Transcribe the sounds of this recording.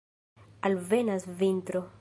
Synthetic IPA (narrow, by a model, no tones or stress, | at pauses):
alve̞nasvint̪ɾo